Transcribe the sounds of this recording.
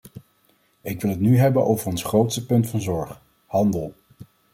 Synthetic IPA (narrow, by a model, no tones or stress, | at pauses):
ɪkʋɪlˠɦətnyɦɛbənʔowvərɔnsχrowtstəpɵntfɑnzɔɹχ | hɑndəlˠ